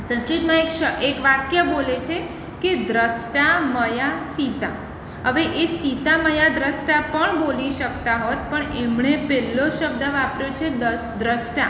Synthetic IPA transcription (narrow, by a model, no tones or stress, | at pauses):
sə̃nskɾit̪mãekʃəekʋakjəbolet͡ʃʰe | ked̪ɾəsʈaməjasit̪a | ɦəʋeʔesit̪aməjad̪ɾəsʈapəɳboliʃəkt̪aɦot̪̚pəɳemɳepɛlːoʃəb̚d̪əʋapɾjot͡ʃʰed̪əsd̪ɾəsʈa